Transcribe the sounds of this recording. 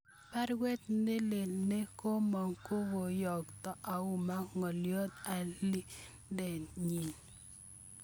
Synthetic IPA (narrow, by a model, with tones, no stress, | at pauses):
pa˦ɾɡwe˦t̪̚nɪ˦le˨lne˦ko˦mɔ˨ŋko˦wo˨jɔ˨k̚tɔ˨ʔa˨ʊ˨ma˦ŋɔ˨ljo˦t̪̚a˨li˦dɛ˨nɲi˨n